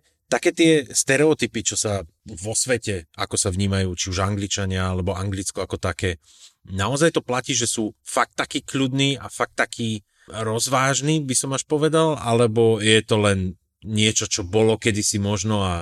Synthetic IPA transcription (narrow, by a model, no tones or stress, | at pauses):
t̪akɛːt̪ɪɛst̪ɛɾɛɔt̪ipit͡ʃɔsaʋɔsʋɛcɛakɔsaʋɲiːmajuːt͡ʃiuʒaŋɡlit͡ʃaɲɪaalɛbɔaŋɡlit͡skɔakɔt̪akɛː | naɔzajt̪ɔplaciːʒɛsuːfak̚t̪ːakiːkʎud̪niːa̰fak̚t̪ːakʰiː | ɾɔzʋaːʒniːbisɔmaʃpɔʋɛd̪alalɛbɔjɛt̪ɔlɛn | ɲɪɛt͡ʃɔt͡ʃɔbɔlɔkɛd̪isimɔʒnɔa